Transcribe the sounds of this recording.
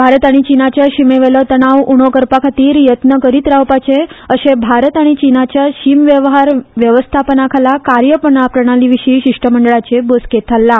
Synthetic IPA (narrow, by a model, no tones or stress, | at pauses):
bʱaɾət̪aɽ̃it͡ɕinat͡ɕjaɕimeʋelət̪əɽ̃aʋuɽ̃okəɾpakʰat̪iːɾjət̪nəkəɾiːt̪ɾaʋpat͡ɕeəɕebʱaɾət̪aɽ̃it͡ɕinat͡ɕjaɕimʋjəʋɦaɾʋjəʋəst̪ʰapənakʰalakaɾjəpəɳapɾəɳ̃aliʋiɕiːɕiʂʈəməɳɖəɭat͡sebosket̪ʰalːa